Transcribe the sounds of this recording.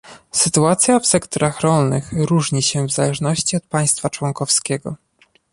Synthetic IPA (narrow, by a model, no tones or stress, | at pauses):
sɘt̪uat̪sʲjafsɛkt̪ɔɾaxɾɔlnɘxɾuʐɲiɕɛvzalɛʐnɔɕt͡ɕiɔt̪̚paj̃st̪fat͡ʂwɔŋkɔfskʲɛɡɔ̰